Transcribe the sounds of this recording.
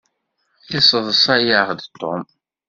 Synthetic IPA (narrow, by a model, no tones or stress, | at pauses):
θisˤəðˤəsæjaʁd̪t̪ːo̰m